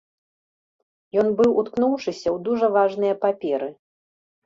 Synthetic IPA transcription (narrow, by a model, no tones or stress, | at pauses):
jɔnbɨwut̪knuwʂɨsʲɐwd̪uʐɐvaʐnɨjɐpapʲɛɾɨ